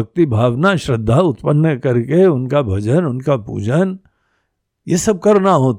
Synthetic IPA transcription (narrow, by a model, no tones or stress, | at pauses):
ək̚t̪ibʱaːʋnaʃɾɪd̪ʱːaʊt̪pənːəkɐɾkeʊnkabʱɐd͡ʒənʊnkapṵːd͡ʒən | jesɐb̚kɐɾnaɦoːt̪